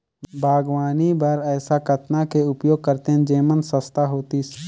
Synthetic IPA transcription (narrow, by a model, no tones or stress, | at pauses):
bʱaːɡʋaːnibəɾɛːsakət̪nakeʊpjoːɡ̚kəɾt̪end͡ʒeːmənsəst̪aɦoːt̪is